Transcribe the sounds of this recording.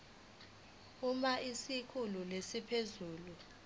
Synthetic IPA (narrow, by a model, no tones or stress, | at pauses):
umaʔisikʰululesipʰezuːlu